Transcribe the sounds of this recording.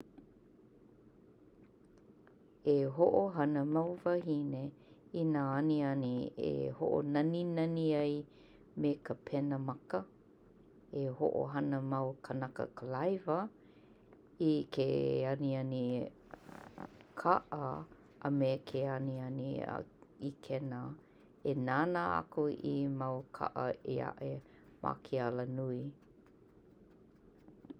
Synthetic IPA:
eɦoʔoɦɐnəmawvaɦine | inaːɐniɐniḛho̰ʔo̰nɐninɐniɐj | mekʰəpʰɛnəmɐkə | eho̰ʔo̰ɦɐnəmɐwkʰənɐkə̰kʰəlajvə | ikʰeɐniɐni | kʰaʔə | əmekʰeɐniɐnḭ | ikʰɛnə | enaːnaa̰koʔimɐwkʰa̰ʔəea̰ʔe | mʔa̰kʰialənui

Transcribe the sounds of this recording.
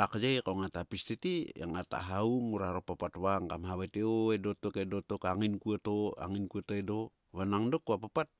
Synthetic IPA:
akad͡ʒejkoŋatapistetiḛŋata̰ɦauŋuɾaɾopapatβaŋkamhaβateoedotokedotokaŋinkuatoa̰ŋinkuatoedo | βanaŋdokuapapat̚

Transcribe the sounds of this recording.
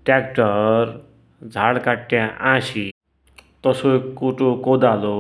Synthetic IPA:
ʈɛkʈəɾ | d͡zʱaɽkaʈːjãʔãɕi | t̪ɔsokuʈokod̪alo

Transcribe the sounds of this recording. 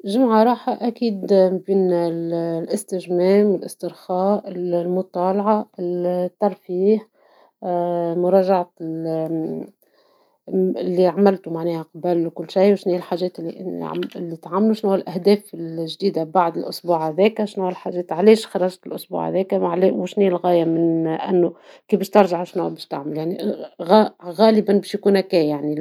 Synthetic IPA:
ʒɪmʕaɾˤɑːħaʔækiːd̪mbiːnllʔɪst̪ɪʒmɛːmɪlʔɪst̪ɪɾxɑːʔɪllmʊt̪ˤɑːlɑʕɑɪlt̪ːɑɾˤfiːħ | mʊɾˤɑːʒaʕat̪ɪ | ɪlːiʕamɪlt̪umaʕnɛːhæqɑbəlwkʊlːʃajwʃniːɪlħaːʒɛːt̪lːiʔɪ̰lːit̪ʕamːluʃnuwːælʔæhd̪ɛːfɪlʒd̪iːd̪abaʕd̪ɪlʔʊsˤbuːʕhæðɛːkæʃnuwːælħaʒɛːt̪ʕlɛːʃxɑɾˤɑʒt̪ɪlʔʊsˤbṵʕhæ̰ðɛːkæʕlɛwɪʃniːlɣɑːjamɪnʔæ̰nːukiːbɪːʃt̪ɑɾˤʒaʕʃnuwæbɛːʃt̪aʕməljaʕniɣɣæːləbanbɛːʃjkuːnhækɛːjaʕni

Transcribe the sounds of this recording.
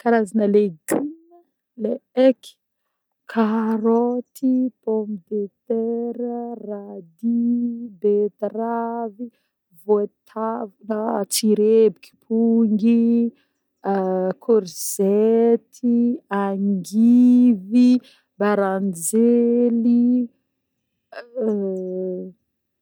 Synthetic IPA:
kaɾazanəleɡinə | leeki̥ | kʰaɾot̪ipomd̪et̪ɛɾrad̪ibet̪ravi | vot̪ʰavunət͡siɾebiki̥pʰuŋɡi | kʰoɾz̥et̪ʰiaŋɡivi | baɾand͡ʒeli

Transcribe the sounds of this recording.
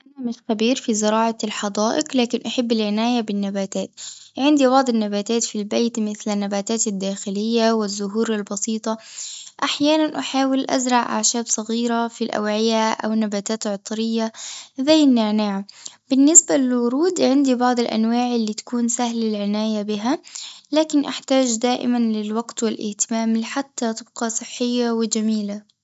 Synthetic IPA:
ʔanamɪʃxabiːɾfizɪɾɑːʕɑlħɑd̪ˤaːʔɪqlaːkɪnʔaħabːɪlʕɪnaːjabɪnːabaːt̪aːt̪ʕɪnd̪ibɑʕd̪ˤɪnːabaːt̪aːt̪filbeːt̪mɪθlanːabaːt̪aːt̪ad̪ːaːxɪlɪjːawɪzːʊɦuːɾalbɑsiːt̪ˤɑʔaħjaːnanʔaħaːwɪlʔa̰zɾˤɑʕʔa̰ʕʃaːbsˤɑɣiːɾafilʔa̰wʕɪjaʔa̰wnabaːt̪aːt̪ʕt̪ˤɾɪjːaðajɪnːɪʕnaːʕab̥ɪnːɪsbalɪlwʊɾuːd̪ʕɪnd̪ibɑʕd̪ˤɪlʔa̰nwaːʕɪlːiːt̪ḁkuːnsahlalʕɪnaːjabɪɦalaːkɪnʔaħt̪aːd͡ʒd̪aːʔɪ̰manlɪlwɑɡt̪wɪlʔɪ̰ht̪ɪmaːmlɪħat̪ːat̪ˤɨb̚qɑsˤɨħːɪjːawɪd͡ʒamiːla

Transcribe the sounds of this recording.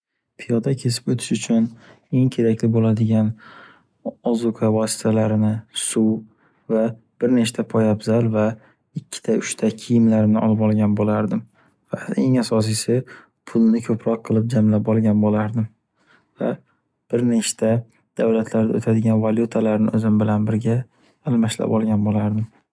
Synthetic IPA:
pʰijɒd̪akʲʰe̞s̬ɪ̥pot̪ʰɪ̥ʃʊt͡ʃʰʊn | e̞ŋkʲʰe̞ɾakʲlɪbolad̪ɪɡʲan | ɒzʊkʰavɒsɪ̥t̪ʰalaɾɪnɪsu | va | b̥ɪɾneʃt̪ʰapʰɒjabzalva | ɪkʲʰːɪ̥t̪ʰaʊʃt̪ʰakʲʰɪjɪmlaɾɪnɪʔɒ̰lɪpɒlˠɡʲanbolaɾd̪ɪm | vaeŋasɒs̬ijsɪ | pʰʊlˠnɪkʲʰɵpɾɒqʰːɨlˠɪp̚d͡ʒamlapɒlˠɡʲanbolaɾd̪ɪm | va̰ | b̥ɪɾnet͡ʃt̪ʰa | d̪̥awlat̪ʰlaɾd̪aot̪ʰad̪ɪɡʲanvalʲjut̪ʰalaɾnɪɵzɪmbɪlanbɪɾɡʲaː | lmaʃla̰pɒlˠɡʲanbolaɾd̪ɪm

